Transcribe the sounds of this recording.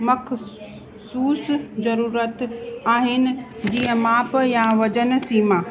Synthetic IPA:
mɐkʰ | suːsd͡zɐɾuːɾət̪aːɦɪnɪ̆d͡ʑiːə̃maːpjãʋɐd͡ʑənsiːma

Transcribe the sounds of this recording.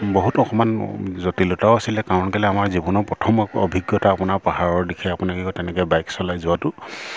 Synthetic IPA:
bɔɦutɔxɔmanzɔtilɔtaʊasilɛkaɹɔnkɛlɛamaɹzibɔnɔɹpɹɔtʰɔmɔ̰bʱiɡjɔtaːpʊnaɹpaɦaɹɔɹdikʰɛapʊnakikɔtɛnɛkɛbajksɔlajzʊwatʊ

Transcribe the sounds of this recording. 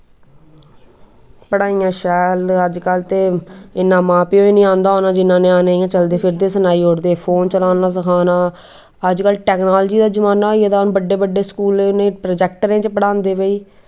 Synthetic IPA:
pəɽaːĩːãːʃɛːləd͡ʒkəlt̪eːɪnːãːmãːpioːiːnĩːãːnd̪aːɦoːnaːd͡ʒɪnːãːnẽːaːnaːijãːt͡ʃəld̪eːpʰɪɾd̪eːsənaːiːɦʊɽd̪eːpʰoːnt͡ʃəlaːnaːs̬əkʰaːnaː | əd͡ʒkəlʈɛːknaːld͡ʒiːd̪aːd͡ʒəmaːnaːoiːət̪aːnːbəɖːeːbəɖːeːskuːlẽːʊnːẽːpɾoːd͡ʒɛːkʈəɾẽːt͡ʃpəɽaːnd̪eːʋəiː

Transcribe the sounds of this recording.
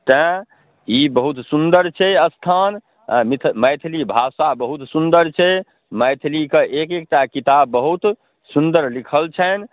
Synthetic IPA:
t̪ə̃ | ibəɦut̪sund̪əɾt͡ʃʰɛəst̪ʰan | mit̪ʰməjt̪ʰlibʱasabəɦut̪sund̪əɾt͡ʃʰɛ | məjt̪ʰlikeʔekek̚ʈakit̪abːəɦut̪ | sund̪əɾlikʰəlt͡ʃʰɛn

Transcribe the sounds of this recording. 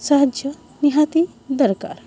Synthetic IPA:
saɦɐd͡ʒjɐ | niɦat̪i | d̪ɐɾka̰ːɾ

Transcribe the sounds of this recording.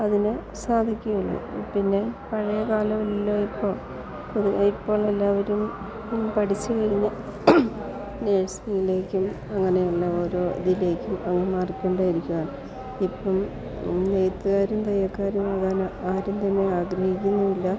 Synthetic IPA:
ɐðinɨ | saːd̪ʱikʲːumuɭːṵpinːe̞pɐɻɐjɐkaːlɐmɐlːoːipːo̞ːɭ | puðuipːo̞ːɭelːaːʋɐɾum | pɐʈit͡ɕːukɐɻiɲːɐ | neːɻsnijile̞ːkʲːum | ɐŋːɐne̞juɭːɐo̞ːɾo̞ːd̪ile̞ːkʲːumɐŋːɐmaːrkːe̞ːɳɖaːjiɾikʲːuɣaːɳ | ipːɐm | nejt̪ːɨɣaːɾumt̪ɐjːɐkːaːɾjumɐðaːnɨaːɾumt̪ɐmːeaːɡɾɐhikʲːunːuðilːɐ

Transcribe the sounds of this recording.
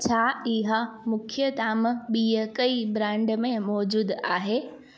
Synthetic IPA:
t͡ɕʰaːɪɦəmʊkʰjət̪aːm̆ɓiːəkɐibɾãːɳɖmẽmɔːd͡ʑuːd̪aːɦeː

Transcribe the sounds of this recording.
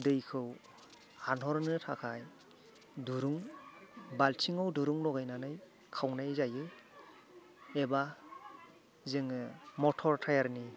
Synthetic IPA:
dɯjkʰɯw | hanɦɔɾnɯtʰakʰaj | duɾuŋ | baltʰiŋɯwduɾuŋlɔɡajnanɯj | kʰawnajzajɯ | eba | zɯŋɯmɔtʰɔɾtʰajaɾni

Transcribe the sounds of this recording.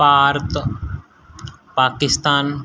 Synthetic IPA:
aːɾt̪ | paːkɪst̪aːn

